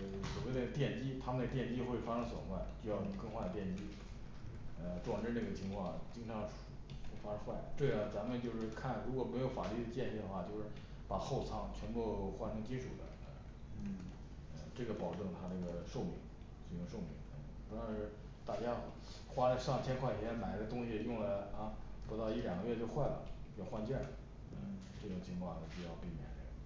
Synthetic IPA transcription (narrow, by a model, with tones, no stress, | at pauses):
swɔ˨˩we˥˩ɪd̪ə˧ə˧˩t̪jɛ˥˩nt͡ɕi˥t̪ʰa˥mə˨nd̪ə˧t̪jɛ˥˩nt͡ɕi˥xwe˥˩fa˥ʈ͡ʂʰɤ˥ŋswɔ̰˨˩˦xwa˥˩ɪt͡ɕy˥˧jɑ˥˩ʊnə˧˥ŋkɤ˥˧ŋxwa˥˧˩d̪ə˩t̪jɛ˥˩nt͡ɕi˥ | ə˧ʈ͡ʂwa˨˩ŋʈ͡ʂə˥˧˥na˥˩ɡə˩t͡ɕʰi˧˥ŋkʰwɑ˥˧ŋt͡ɕi˥ŋʈ͡ʂʰɑ˧˥ŋʈ͡ʂʰu˨˥˩ | xe˥˩fa˥ʈ͡ʂʰxwa˥˩ɪ˩t̪we˥˩ɪə˩t͡sa˧˥mə˧nt͡ɕjo˥˧ʊʂɻ̩˥˧kʰa˥˩nɻu˧˥kwɔ˨˩me˧˥jo˧˥ʊfa˨˩ly˥˩d̪ə˨t͡ɕjɛ˥˧ni˥˩d̪ə˩xwa˥˧˩t͡ɕjo˥˧ʊʂɻ̩˥˩ | pa˨˩xo˥˩ʊt͡sʰɑ˥˩ŋt͡ɕʰɥɛ˧˥npu˥˧xwa˥˩ʈ͡ʂʰɤ˧˥ŋt͡ɕi˥ʈ͡ʂʰṵ˨˩d̪ə̰˦ | ə̰˧ | ə˧ʈ͡ʂɤ˥˩ɡə˩pɑ˨˩ʊʈ͡ʂɤ˥˩ŋt̪ʰa˥ʈ͡ʂə˥˩ɡə˩ʂo˥˩ʊmḭ˧˩˥ŋ | ʂu˨˩jʊ˥˧ŋʂo˥˩ʊmḭ˧˥ŋə˥˩ | pu˧˥ɑ˥ɻ̩˥˧ | t̪a˥˩t͡ɕja˥ | xwa˥lə˧ʂɑ˥˩ŋt͡ɕʰjɛ˥nkʰwa˥˩ɪ˩˧˩ma˨˩ɪ˥ɡə˧t̪ʊ˥ŋɕi˨jʊ˥˩ŋlə˩ɐ˥˧pu˧˥t̪ɑ˥˧ʊi˥˩ljɑ˨˩ŋɡə˦ɥɛ˥˧t͡ɕjo˥˧ʊxwa˥˩ɪlə̰˩jɑ˥˧ʊxwa˥˧nt͡ɕjɛ˥˩ | ə̰˧ | ʈ͡ʂɤ˥˩ʈ͡ʂʊ˨˩ŋt͡ɕʰi˧˥ŋkʰwɑ˥˩ŋt̪t͡ɕjo˥˧ʊjɑ˥˧ʊpi˥˩mjɛ̰˨˩nʈ͡ʂə̰˥˩ə˩